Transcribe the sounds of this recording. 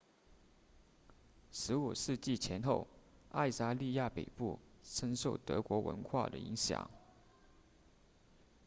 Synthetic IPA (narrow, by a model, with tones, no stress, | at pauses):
ʂɻ̩˧˥u˨˩ʂɻ̩˥˧t͡ɕi˥˩t͡ɕʰjɛ˧˥nxo˥˧ʊa̰˥˧ɪsa˥˧li˥˧ja˥˩pḛ˨˩ɪpu˥˩ʂə˥nʂo˥˩ʊt̪ɤ̰˧˥kwɔ˧˥wə̰˧˥nxwa̰˥˩d̪ə̰˩ḭ˧˥ŋɕjɑ̰˨˩˦ŋ